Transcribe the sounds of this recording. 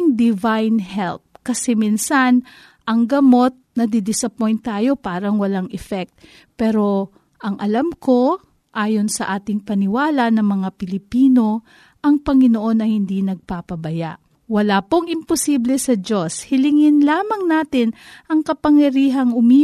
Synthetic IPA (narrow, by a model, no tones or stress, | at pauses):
ŋd̪ɪvajnhɛlp̚kɐsɛminsan | ʔɐŋɡɐmo̞t̪̚nɐd̪ɪd̪ɪsɐpojnt̪ːaːjo̞paːɾɐŋwɐlaŋʔɛfɛk̚t̪̚ | pɛːɾo̞ | ʔɐŋʔɐlamko̞ | ʔaːjo̞nsɐʔaːt̪ɪŋpɐnɪwaːlɐnɐŋmɐŋapɪlɪpiːno̞ | ʔɐŋpɐŋɪnoʔo̞nɐhɪnd̪inɐɡ̚paːpɐbɐja̰ʔ | wɐlaːpoŋʔɪmpʊsiːblɛsɐd͡ʒo̞shɪlɪŋɪnlaːmɐŋnaːt̪ɪnʔɐŋkɐpɐŋjɐɾiːɦɐŋʊmi